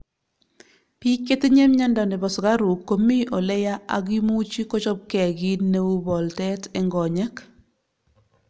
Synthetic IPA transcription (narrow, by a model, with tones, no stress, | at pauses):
pi˦ke˦te˦ɲe˦mɲa˦ndɔ˨ndɛ˨bɔ˨sɡa˦ɾu˨kːo˦mi˦ʔɔ˨lɛ˦ja˦ʔa̰˨ɡi˦mu˦t͡ʃi˦kɔ˦t͡ʃɔ˦b̚kɛ˨ɡi˦ne˦u˦bɔ˨ltɛ˦tɛ˨ŋɡɔ˨ɲɛ˦k